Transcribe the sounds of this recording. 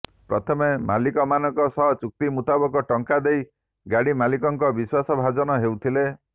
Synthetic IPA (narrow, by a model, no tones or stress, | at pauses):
pɾɔt̪ʰɔmemalikɔmanɔŋkɔsɔɦt͡ʃuk̚t̪imut̪abɔkɔʈɔŋkad̪ej | ɡaɽimalikɔŋkɔbiswasɔbʱad͡ʒɔnɔɦewt̪ʰile